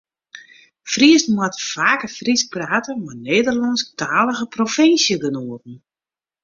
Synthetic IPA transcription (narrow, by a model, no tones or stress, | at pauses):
friəsn̩mwatəfaːkəfrispraːtəmaneːdərlɑnsktʰaːlˠəɣəprofɪnsjəɡənoətn̩